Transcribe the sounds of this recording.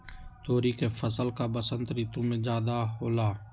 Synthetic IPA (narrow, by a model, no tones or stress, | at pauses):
t̪oːɾiːkeːfʰəsəlkaːbəsənt̪ɾiːt̪ũmẽːd͡ʒaːd̪aːɦoːlaː